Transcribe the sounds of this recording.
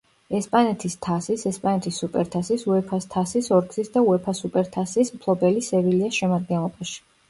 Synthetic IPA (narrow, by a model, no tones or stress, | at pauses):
ɛspʼanɛt̪ʰist̪ʰasisɛspʼanɛt̪ʰisːupʼɛɾt̪ʰasisuɛpʰast̪ʰasisɔɾɡzisd̪auɛpʰasupʼɛɾt̪ʰasismpʰlˠɔbɛlisɛviliasʃɛmad̪̚ɡɛnlˠɔbaʃi̥